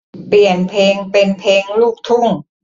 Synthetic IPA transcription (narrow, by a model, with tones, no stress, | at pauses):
pli˨˩ənpʰeː˧ŋpe˧npʰeː˧ŋluː˥˩k̚t̪ʰu˥˩ŋ